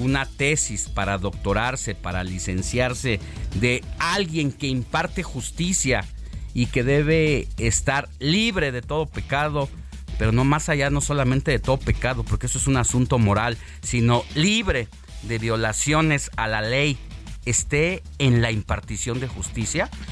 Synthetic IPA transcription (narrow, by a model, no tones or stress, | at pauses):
unat̪e̞sispaɾaðo̞k̚t̪o̞ɾaɾse̞paɾalise̞nsjaɾse̞ | ðe̞alɣje̞ŋke̞impaɾt̪e̞xust̪isjaike̞ðe̞βe̞ːst̪aɾliβɾe̞ðe̞t̪o̞ðo̞pe̞kað̞o̞ | pe̞ɾo̞no̞masaʝano̞solamẽnt̪e̞ðe̞t̪o̞ðope̞kaðo̞po̞ɾkeesoesunasunt̪o̞mo̞ɾal | sino̞liβɾe̞ | ðe̞βjo̞lasjo̞ne̞salalejest̪e̞ː | nlaimpaɾt̪isjo̞nd̪e̞xust̪isja